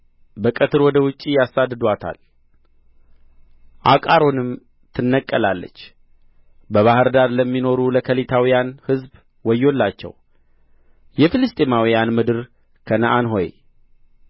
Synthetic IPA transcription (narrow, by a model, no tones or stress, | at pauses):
bəkʼət̪ʰɨɾwɔd̪əwʊt͡ʃʼːijasːad̪ːɨd̪wat̪ʰa̰l | ʔakʼaɾo̞nɨm | t̪ʰɨnːəkʼːəlalːə̰t͡ʃː | bəβahɨɾd̪aɾləmːino̞ɾuləkʰəlit̪ʰawijanhɨzb | wɔjːo̞lːat͡ʃːɛ̰w | jɛfilɨst̪ʼemawijanmɨd̪ɨɾ | kʰənəʔanɦo̞̰j